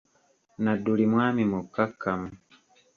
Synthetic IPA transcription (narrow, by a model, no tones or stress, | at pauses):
nadulimwaːmimukakamu